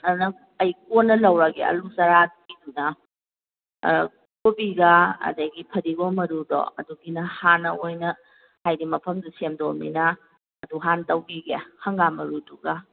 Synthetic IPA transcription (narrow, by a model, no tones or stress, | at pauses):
ɐnɐ | ɐjk̚onːɐlɐwɾaɡḛɐ̰luzɐɾatidunɐ | kobiɡaɐ̰dɐɡipʰɐɾiɡomɐɾudɔ̰ɐ̰duɡinɐhanːɐojnɐ | hajdimɐpʰɐmdusemdomḭnɐː | duɦantɐwbiɡehɐŋɡamɐɾuduɡa